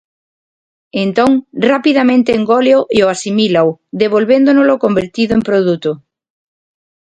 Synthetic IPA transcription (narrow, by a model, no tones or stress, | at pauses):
ẽnt̪õŋrapiðamẽnt̪eːŋɡoleoʔioasimilawðeβolβend̪onolokombeɾt̪iðʊẽmpɾoðut̪o